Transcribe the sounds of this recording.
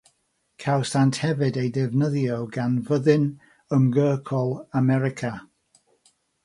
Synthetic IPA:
kʰawsanthɛvɨdejdɪvnəðjoɡanvəðɨn | əmɡəːkʰɔlˠamɛɾɪkʰa

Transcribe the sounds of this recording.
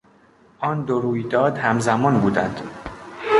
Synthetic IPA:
ʔɒːnd̪oɾuːjd̪ɒːd̪hæmzæmɒːnbuːd̪ænd̪̥

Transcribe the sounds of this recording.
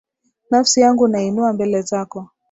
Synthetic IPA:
nafsijaŋɡunainuambɛlɛzakɔ

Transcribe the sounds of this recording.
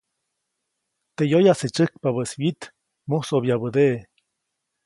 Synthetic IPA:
t̪ejojaset͡ʃɨk̚paβəswit̪ | musobjaβəd̪eʔ

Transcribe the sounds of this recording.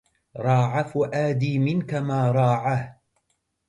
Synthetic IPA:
ɾˤɑːʕafʔaːd̪iːmɪnkamaːɾˤɑːʕah

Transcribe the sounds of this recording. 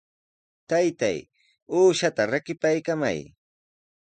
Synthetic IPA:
t̪ajt̪a̰j | uːʃat̪aɾakɪpajkama̰j

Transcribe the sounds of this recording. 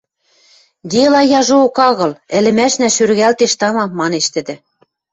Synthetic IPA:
d̪elɑjɑʒookɑɣɤ̆lɘ̆lɘ̆mæʃnæʃyɾɣælt̪eʃt̪ɑmɑmːɑneʃt̪ɘ̆d̪ɘ̆

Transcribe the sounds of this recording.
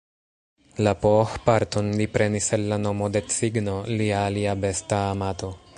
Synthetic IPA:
lapoxpaɾto̞nlipɾe̞niselːano̞mo̞de̞t͡siɡno̞liaːliabe̞staːmat̪o̞

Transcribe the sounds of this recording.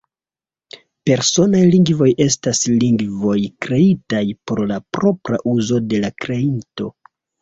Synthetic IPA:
pe̞ɾso̞najliŋɡvo̞jʔe̞stasliŋɡvo̞jkɾe̞itajpo̞ɾlapɾo̞pɾa̰ʔuzo̞de̞lakɾe̞into̞

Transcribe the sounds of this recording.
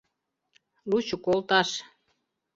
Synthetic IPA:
lut͡ɕukolt̪ɑʃ

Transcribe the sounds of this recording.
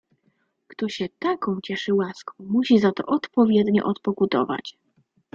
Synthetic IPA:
kt̪ɔɕɛt̪akɔ̃w̃t͡ɕɛʂɘwaskɔ̃w̃muɕizat̪ɔ̰ʔɔt̪pɔvʲjɛd̪ɲɔ̰ʔɔt̪pɔkud̪ɔ̰va̰t͡ɕ

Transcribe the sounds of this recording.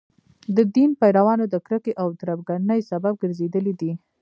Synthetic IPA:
d̪əd̪inpajɾawɑnod̪əkɾəkeʔawt̪ɾabɡanəjsabab̚ɡəɾzed̪əlid̪i

